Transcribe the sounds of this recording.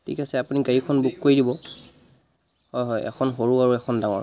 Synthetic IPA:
tʰḭkasɛapuniɡaɹikʰɔnbukkoɹidibɔ | hɔjɦɔjɛ̰kʰɔnɦoɹuaɹuɛkʰɔndaŋɔ̰ɹ

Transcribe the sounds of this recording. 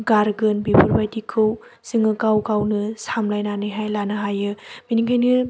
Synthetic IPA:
ɡaɾɡɯnbebʰuɾbajtikʰɯw | z̥ɯŋɯkawkawnɯsamlajnanɯɦajlanɯɦajɯminiŋɡajnɯ

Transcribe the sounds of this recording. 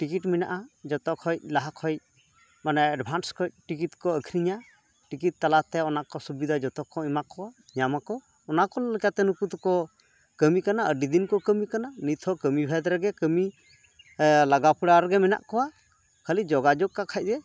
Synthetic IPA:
ʈikiʈmina̰ʔad͡ʒɔt̪ɔkʰɔjc̚laɦakʰɔj̚ | manɛɛɖbʱanskʰɔjc̚ʈikit̪kɔəkʰɾiɲa | ʈikit̪̚ːalat̪ɛɔnakɔsubid̪ʱad͡ʒɔt̪ɔkʰɔimakɔwa | ɲamakɔː | nakɔlɛkat̪ɛnukut̪kɔ | kəmikanaəɖid̪inkɔkəmikananit̪ʰhɔkəmibʱɛd̪ɾɛɡɛkəmi | laɡapuɽaɾɡɛmɛna̰ʔkɔwa | kʰalid͡ʒɔɡad͡ʒɔk̚kːakʰac̚d̪ɛ

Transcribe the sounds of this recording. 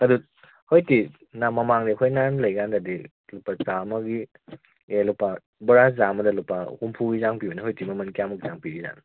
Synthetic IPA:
ɐdu | hojti | namɐmaŋniɐkʰojnanlɐjɡandɐdi | lupasamɐɡi | elupa | bɐɾazamɐdɐlupahumpʰuɡizaŋpibɐniɦojtimɐmɐnkijamɐɡizaŋpiɡiza̰n

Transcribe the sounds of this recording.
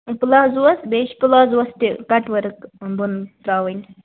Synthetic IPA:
pɨlaːzuɐsbeːʃpulaːzuɐst̪ikɐʈʋɐɾkbuntɾaːʋiŋ

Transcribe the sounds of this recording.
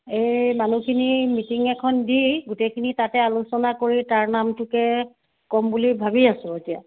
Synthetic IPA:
ejmanukʰinimitiŋɛkʰɔndiɡutejkʰinitatɛalusɔnakoɹitaɹnamtʊkɛ | kɔmbulibʱabiasʊetija̰

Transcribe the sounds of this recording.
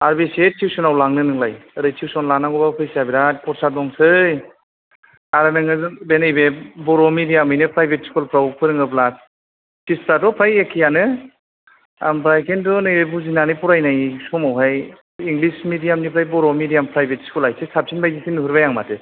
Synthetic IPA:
aɾbesetʰiwsɔnawlaŋnɯnɯŋlajɯɾɯjtʰiwsɔnlanaŋɡɔbapʰɯjsabiɾatpʰɔɾsaɾ̚dɔŋsɯj | aɾanɯŋɯbenɯjbebɔɾɔmidijamɯjnɯpɾajbetskulpʰɾawpʰɯɾɯŋɯplas̚ | sispɾatɔpʰɾajekʰːijanɯ | a̰mpɾajkʰendɔnɯjbebuzinanipuɾajnajsɔmawɦaj | iŋɡlismidijamnipʰɾajbɔɾɔmidijampɾajbetskulajsesap̚sinbajzisinuɦuɾbajaŋmatɯ

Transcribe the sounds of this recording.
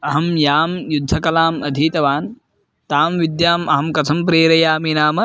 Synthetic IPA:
ɐɦɐmjaːmjud̪ʱːɐkɐlaːmɐd̪ʱiːt̪ɐʋaːn | t̪aːmʋid̪jaːmɐɦɐmkɐt̪ʰɐmpɾeːɾɐjaːminaːmɐ

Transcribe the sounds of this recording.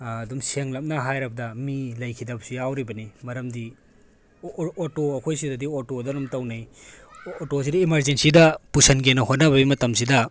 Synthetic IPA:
dumseŋlɐp̚nɐɦajɾɐbɐdɐmilɐjkʰidɐbsijawɾibɐnimɐɾɐmdi | otoɐkʰojsidɐdiotodɐnumtɐwnɐj | otos̬idɐimɐɾzensidɐpusɐnɡenɐhot̚nɐbɐbimɐtɐms̬idɐ

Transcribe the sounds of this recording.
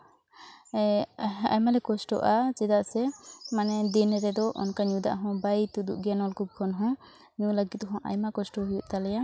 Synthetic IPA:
a̰jmalɛkɔsʈɔ̰ʔat͡ʃɛd̪aʔsɛmanɛd̪inːɛɾɛd̪ɔʔɔ̰nkaɲud̪a̰ʔɦɔ̃bajt̪ud̪ṵʔɡɛnɔlkʰub̚kʰɔnɦɔ̃ | ɲuləɡit̪̚ɦɔ̃ʔa̰jmakɔsʈɔɦujuʔt̪alɛja

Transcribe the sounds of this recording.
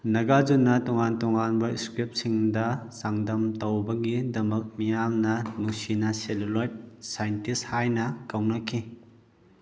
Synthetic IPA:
nɐɡad͡ʒunːɐtɔŋantɔŋanbɐiskɾip̚siŋdɐsaŋdɐmtɐwbɐɡidɐmɐk̚mijamnɐnusinɐselulojt̚sajntishajnɐkɐwnɐkʰi

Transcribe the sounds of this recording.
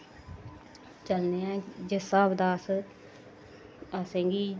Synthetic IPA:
t͡ʃəlneːãːd͡ʒəsaːbd̪aːs | əsẽːŋɡiː

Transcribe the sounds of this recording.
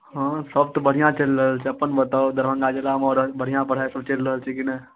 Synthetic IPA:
ɦãsəb̚t̪obəɽ̤ijãt͡ʃəlɾəɦəlt͡ʃʰeɐpənbət̪aːod̪əɾʋə̃ŋɡad͡ʒəlaːmɔːɾbəɽ̤ijãpɐɽ̤aːesɐbt͡ʃəlɾəɦəlt͡ʃʰikinə

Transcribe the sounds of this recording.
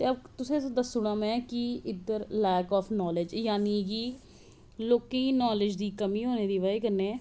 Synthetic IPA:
t̪eːəbt̪ʊsẽːsd̪əsːʊɽãːmɛ̃ːkɪɪd̪əɾlɛːkɔːpʰnɔːlɪd͡ʒjaːniːɡiː | loːkẽiːnɔːlɪd͡ʒd̪iːkəmiːɦoːneːd̪iːʋaːeːkəɾneːɛː

